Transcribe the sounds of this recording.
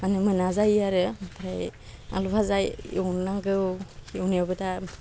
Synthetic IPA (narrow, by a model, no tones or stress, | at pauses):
anɯmɯnazajaɾɯpʰɾaja̰lupʰazajɯwnnaŋɡɯwiɯwniɔbɯta